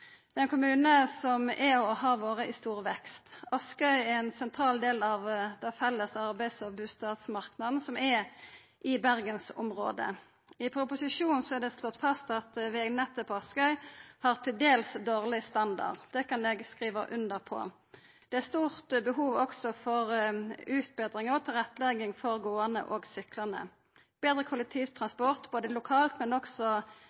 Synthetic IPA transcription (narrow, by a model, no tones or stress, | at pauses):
d̪̥ɛɛɪnkʰʊmʉːnəsɔmɛɔɦɑːʋoːʁəʔɪst̪uːʁʋɛkst̪ʔɑskœʏæʁɛnsɛnt̪ʰɾɑːld̪eːlɑʋd̪ɛfɛlːəsɑʁbæɪsɔbʉːst̪ɑːt̪smɑʁknɑd̪n̩sɔmɛ | ʔɪbæʁɡənsʊ̰mʁo̰ːd̪ə̰ | ɪpʰɾʊpʊsɪʂuːnn̩sɔæʁd̪ɛslɔt̪ːfɑst̪ɑt̪ʋɪɡnɛt̪ːəpʰɔɑskœʏhɑʁt̪ʰɪld̪eːlsd̪oːʁlɪst̪ɑnd̪ɑ̰ʁd̪̥ɛkɑnɛɡskʁiːʋəʔʉnd̪əʁpʰɔ̰ | d̪̥ɛæʁst̪uːʁt̪bəɦuːʋɔksɔfɔʁʉːt̪̚beːd̪ʁɪŋəʁt̪ʰɪlʁɛt̪ːlɛɡɪŋfɔʁɡoːənə̰ʔoːɡsʏklɑnə̰ | b̥eːd̪ʁəkʰʊlɛk̚t̪ʰiːʋt̪ʰʁɑnspɔʁt̪b̥oːd̪əlʊkʰɑːlt̪mɛnɔksɔ